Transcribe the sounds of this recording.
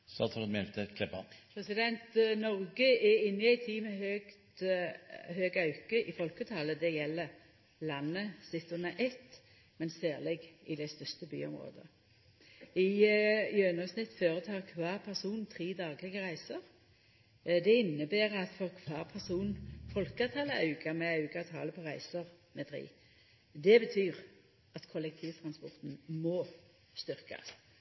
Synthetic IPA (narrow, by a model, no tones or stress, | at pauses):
sɑt̪ʰɑɾmɛlt̪ʰəkʰlɛpɑ̰pʰɾɛsɪd̪ɛnt̪nɔʁɡəɛɪnːɪæɪt̪ʰiːmɛhøɡt̪ | ɦøːɡɑʉkəʔɪfɔlkət̪ʰɑːləd̪ɛjɛlːə | lɑnːəsɪt̪ːʊnəʔɛt̪ː | mɛnsæːʁlɛɡɪd̪æɪst̪œst̪əby̰ːʊ̰mʁo̰ːd̪ə̰ | ɪjøːnɑsnɪt̪ːføːʁət̪ʰɑːʁkʰʋɑːʁpʰæʁsuːnnt̪ʰʁiːd̪ɑːɡlɪɡəʁæɪsəʁ | d̪ɛɪnːəbeːʁɑt̪fɔʁkʰʋɑːʁpʰæʁsuːnn̩fɔlkɑt̪ʰɑːləɑʉɡɑmɛɑʉɡɑt̪ʰɑ̰ːləpʰɔʁæɪsəʁ | mɛt̪ʰɾḭː | d̪ɛbət̪ʰyːʁ | ɑt̪kʰɔlɛk̚t̪ʰiːʋt̪ʰɾɑnspɔʁt̪nmɔ | st̪ʏɾkɑ̰s